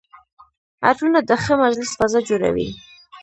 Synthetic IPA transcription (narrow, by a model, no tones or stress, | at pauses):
a̰ʈunad̪əxəmad͡ʒlɪsfazad͡ʒoɾa̰wḭ